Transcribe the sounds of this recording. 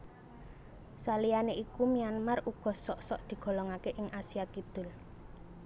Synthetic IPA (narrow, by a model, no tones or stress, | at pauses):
salianeʔikumianmarʔuɡ̥ɔ̤sɔʔsɔʔd̪̥i̤ɡ̥ɔ̤lɔŋakeʔɪŋʔasiakid̪̥ʊ̤l